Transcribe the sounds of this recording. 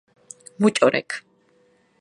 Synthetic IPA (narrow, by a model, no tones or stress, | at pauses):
mut͡ʃʼɔɾɛ̰kʰ